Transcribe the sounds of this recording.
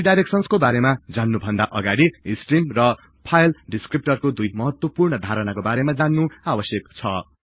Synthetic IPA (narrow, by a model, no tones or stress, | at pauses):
iɖajɾek̚sʌnskobaɾemad͡zanːubʱʌnd̪aʔʌɡaɽiisʈrimrʌ | pʰajlɖiskrip̚ʈʌrkod̪ujmʌɦʌt̪wʌpurɳʌd̪ʱaɾʌnakobaɾemad͡zanːuabʌsjekt͡sʰʌ